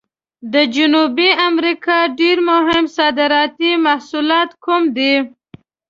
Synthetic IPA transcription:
d̪əd͡ʒʊnubiamɾikɑɖeɾmʊɦɪmsɑd̪ɪɾɑt̪imahsulɑt̪kumd̪i

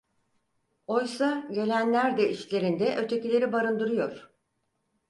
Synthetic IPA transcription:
o̞jsaɟe̞lʲænlʲæɾd̪ɛiʃlʲe̞ɾind̪ɛʔø̞t̪ʰe̞cilʲe̞ɾibaɾɯnd̪ɯɾɯjo̞ɾ̥

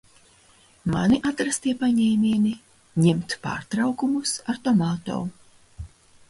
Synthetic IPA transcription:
maniʔat̪ɾast̪iɛpaɲɛːmʲiɛni | ɲɛmt̪pa̰ːɾt̪ɾawkumusaɾt̪ɔmaːt̪ɔ̰ː

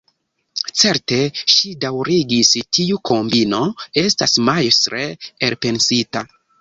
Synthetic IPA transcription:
t͡se̞ɾte̞ʃidawɾiɡistʰiukʰo̞mbino̞e̞stasmajsɾeelpe̞nsita

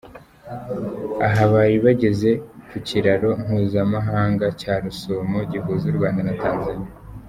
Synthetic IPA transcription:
aɦaβajiβaɟe̞ze̞kuciɾaɾo̞ŋ̥uːzamaɦaːŋɡacaːɾusomoɟiɦuːzuɾɡwaːndanataːnzanija

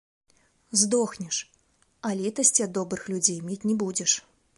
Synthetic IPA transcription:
zd̪ɔxnʲɛʂ | ɐlʲit̪ɐsʲt͡sʲiɐd̪ːɔbɾɨxlʲud͡zʲejmʲet͡sʲnʲɛbud͡zʲɛʂ

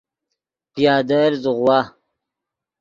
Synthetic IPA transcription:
pjaːd̪əɾzʁwaː

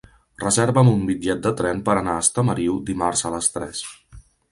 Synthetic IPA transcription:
rəzeɾβəmumbid͡ʒɛt̪̚d̪ət̪ɾɛmpəɾənaəst̪əməɾiwd̪imarzələst̪ɾɛs

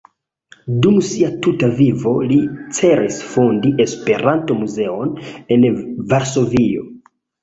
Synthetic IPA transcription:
dumsiatutavivo̞lit͡se̞ɾisfondiʔe̞spe̞ɾanto̞muze̞one̞nvaɾso̞vio̞̰

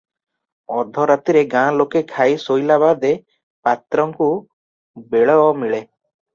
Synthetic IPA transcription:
ɔd̪ʱɔɾat̪iɾeɡãlokekʰajsojlabad̪e | pat̪ɾɔŋku | beɭɔɔmiɭe

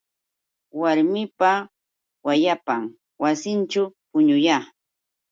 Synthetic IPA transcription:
waɾmɪpa | wajapaŋ | wasɪnt͡ʃʊpʊɲʊjaː

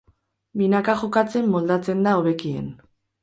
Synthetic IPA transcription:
binakaʝokat͡se̞mːo̞ld̪at͡se̞nd̪aoβe̞kiḛn

